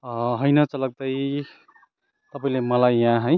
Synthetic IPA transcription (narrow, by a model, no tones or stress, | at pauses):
ʌɦʌjnʌt͡sʌlʌɡ̚t̪ʌj | t̪ʌpaĩlemʌlajãɦʌj